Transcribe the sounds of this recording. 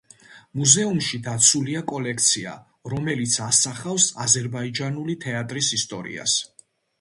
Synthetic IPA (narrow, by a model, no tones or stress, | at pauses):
muzɛumʃid̪at̪sʰuliakʼɔlɛk̚ʰt̪sʰia̰ | ɾɔmɛlit̪sʰasaχafsazɛɾbaid͡ʒanulit̪ʰɛat̪ʼɾisist̪ʼɔɾḭa̰s